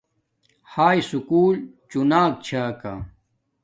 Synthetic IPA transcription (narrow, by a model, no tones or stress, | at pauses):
haːjsukuːlt͡ɕunaːk̚t͡ɕʰaːka̰